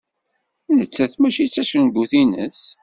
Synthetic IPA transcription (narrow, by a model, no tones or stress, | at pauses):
nət͡sːæθmæʃit͡sːæʃənɡuθinə̰s